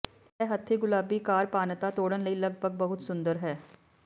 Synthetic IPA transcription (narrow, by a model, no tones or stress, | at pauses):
ɛːɦət̪ʰːeːɡʊlaːbiːkaːɾpaːnt̪aːt̪oːɽənləiːləɡbʱəɡ̚bəɦʊt̪sʊ̃nd̪əɾɦɛː